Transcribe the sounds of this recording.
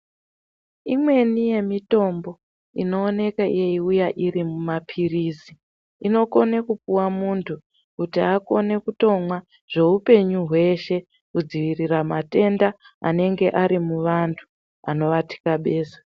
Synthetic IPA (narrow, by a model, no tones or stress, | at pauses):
imwe̞nije̞mito̞mbo̞ | ino̞ːne̞kaḭjeiujaʔiɾimumapʰiriːsi | ino̞ko̞ne̞kupuwamuntʰu | kutiako̞ne̞kuto̞mwa | ʐ̥e̞upe̞ɲuɦwe̞ʃe̞ | kud͡ziʋiriramate̞nda | a̰ne̞ŋɡe̞ʔaɾimuʋantʰu̥ | a̰no̞ʋati̥kaɓe̞ːsḁ